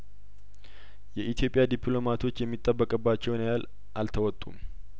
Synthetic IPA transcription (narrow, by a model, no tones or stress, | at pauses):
jɛʔit̪ʰjo̞pʼɪjad̪ipʰlo̞mat̪ʰo̞t͡ʃːjɛmːit̪ʼːəbːəkʼəbːat͡ʃːɛwnjaal | ʔalt̪ʰəwɔt̪ʼːum